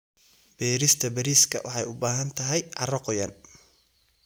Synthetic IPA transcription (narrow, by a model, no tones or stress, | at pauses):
b̥ɛːɾɪst̪ʰɐbɐɾiːskʰɐ̰wʔɑ̰ħɑjʊbaːɦɐnt̪ʰɐɦɛjʕɑ̰rɔqɔjɐ̰n